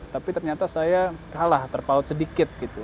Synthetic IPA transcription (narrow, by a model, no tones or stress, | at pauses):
t̪apit̪ərɲat̪asajakalaht̪ərpaʊt̪̚sədikɪt̪̚ɡit̪u